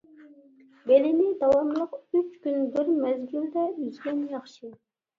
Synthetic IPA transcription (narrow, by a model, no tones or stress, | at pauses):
belɪnɪd̪ɑwɑmlˠəqyt͡ʃkʲynd̪ʊɾmæzɡʲyld̪ɛyzɡʲɛnjɑχʃɨ